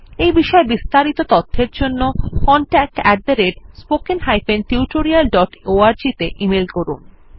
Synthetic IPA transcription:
ejbiʃɔebist̪aɾit̪ot̪ɔt̪ʰːeɾd͡ʑonːokɔɳʈɛk̚ʈɛɖ̚d̪eɾeɖspokenɦajfenʈiuʈoɾialɖɔʈoaɾd͡ʑit̪eʔimelkoɾun

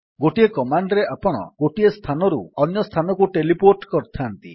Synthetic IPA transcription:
ɡoʈiekɔmaɳɖɾeʔapɔɽ̃ɔ̰ɡ̥oʈiest̪ʰanɔɾṵɔnjɔst̪ʰanɔkuʈelipoʈkɔɾt̪ʰant̪ḭ

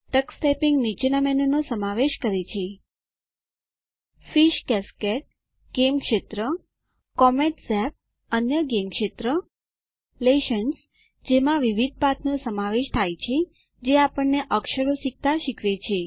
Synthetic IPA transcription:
ʈəksʈɛpiŋɡnit͡ʃenamɛnənosəmaʋeʃkəɾet͡ʃʰe | fiʃkɛskeʈ̚ | ɡ̥emkʃet̪ɾə | kɔmeʈsɛp̚ | ənjəɡemkʃet̪ɾə | leʃəns | d͡ʒemãʋiʋid̪̚ʱpat̪ʰnosəmaʋeʃt̪ʰajt͡ʃʰe | d͡ʒeapəɳːeʔəkʃəɾoʃik̚t̪aʃikʰʋet͡ʃʰe

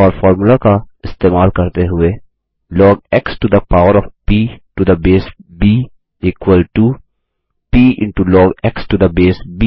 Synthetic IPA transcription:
ɔːɾfɔːɾmulakaɪst̪eːmaːlkɐɾt̪eɦʊe | lɔːɡɛksʈud̪əpaːʊəɾɔfpiːʈud̪əbeːsbiː | ikwəlʈu | piːʔɪ̰̃ɳʈulɔːɡɛksʈud̪əbeːsbi

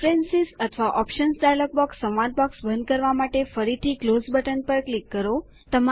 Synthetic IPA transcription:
ɾensizət̪ʰʋaʔɔpʃənsd̪ajlɔk̚bɔksːə̃wʋad̪̚bɔksbə̃nd̪̚kəɾʋamaʈefəɾit̪ʰiklozbəʈənpəɾklikːəɾo | t̪əma

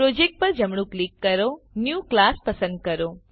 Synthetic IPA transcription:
ɾod͡ʒek̚ʈ̚pəɾd͡ʒəmɳ̃ũklikːəɾonjuklaspəsə̃nd̪̚kəɾo

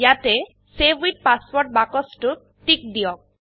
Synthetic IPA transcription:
jatɛ | sebiʈ̚paspɔɹʈ̚bakɔsʈu | ʈik̚d̪ijɔk̚

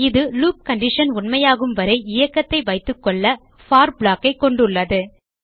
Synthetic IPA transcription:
ɪðɯluːp̚kɐɳɖɪʂɐnʊɳmɐjaːɣɯmʋɐɾɐɪɪjɐkːɐt̪ːɐɪʋɐɪt̪ːɯkːɔɭːɐ | faːɾbɭaːkːɐɪkːɔɳɖɯɭːɐðɯ

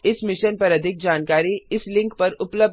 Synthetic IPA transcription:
ɪsmɪʃənpɐɾɐd̪ʱɪk̚d͡ʒaːnkaːɾiɪslɪ̃ŋkpɐɾʊpləb

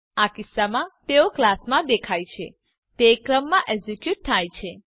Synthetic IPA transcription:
akisːamãt̪eoklasmãd̪ekʰajt͡ʃʰe | t̪ekɾəmːãʔed͡ʒekjuʈ̚t̪ʰajt͡ʃʰe

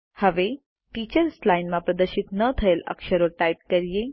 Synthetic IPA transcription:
həʋe | ʈit͡ɕəɾslajnmapɾəd̪əɾɕit̪nət̪ʰəelə̰kɕəɾoɾʈaiʈ̚kəɾje

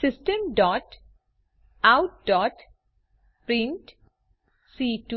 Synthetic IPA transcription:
sɪsʈə̃mɖɔːʈ | aʊʈ̚ɖɔːʈ | pɾɪ̃ɳʈ | siːʈu

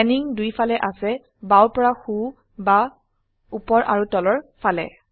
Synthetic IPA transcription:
ɛniŋdujfʰalɛʔasɛ | bawpɔɹaxu | ba | upɔɹʔa̰ɹutɔlɔɹfʰalɛ̰

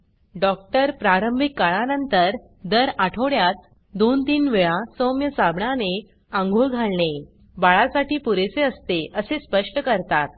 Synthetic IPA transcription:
ɖɔk̚ʈəɾpɾaɾəmbʱikːaɭanənt̪əɾ | d̪əɾaʈʰoɽjat̪̚ | d̪ont̪iːnʋeɭãsomjəsabɳane | ãŋɡʱuɭɡʱaɭɳe | baɭasaʈiːpuɾet͡seəst̪eʔəsespəʂʈəkəɾt̪at̪̚

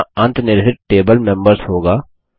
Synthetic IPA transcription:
ɐ̃nt̪nɪɾɦɪʈʈeːbəlmɛ̃mbəɾsɦoːɡaː

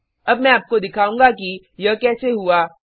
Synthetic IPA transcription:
ɐbmɛ̃aːp̚kod̪ɪkʰaːũːŋɡaki | jɐkɛːseɦuaː

